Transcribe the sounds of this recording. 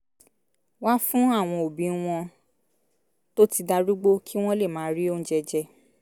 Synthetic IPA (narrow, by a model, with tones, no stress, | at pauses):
wa˦fũ˦a˦˨w̃ɔ̃˧o˨bĩ˨˧˦w̃ɔ̃˧ | to˦ti˧da˧ɾu˦ɡ͡bo˦kʰi˦w̃ɔ̃˦le˦˨mãː˨˦ɾi˦o˦n̩˦d͡ʒɛ˧d͡ʒɛ˧